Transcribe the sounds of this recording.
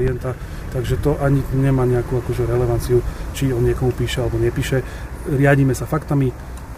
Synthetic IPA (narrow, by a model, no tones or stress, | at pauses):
iɛnt̪a | t̪aɡʒɛt̪ɔʔaɲiɲɛmaːɲɛakuakɔʒɛɾɛlɛʋant͡siut͡ʃiɔnɲɪɛkɔmupiːʃɛalɛbɔɲɛpiːʃɛ | ɾɪaɟiːmɛsafakt̪ami